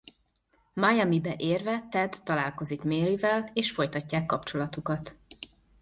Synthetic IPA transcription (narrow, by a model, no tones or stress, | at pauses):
majɛmibɛʔeːrvɛt̪ɛd̪ːɒlaːlko̞zikmeːɾivɛleːʃfo̞jt̪ɒcːaːkːɒpt͡ʃo̞lɒt̪ukɒt̪